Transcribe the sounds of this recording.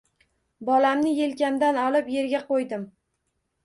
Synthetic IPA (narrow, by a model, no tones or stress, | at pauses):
bɒlamnɪje̞lkʲand̪anɒlɪpje̞ɾɡʲaqojd̪ɪm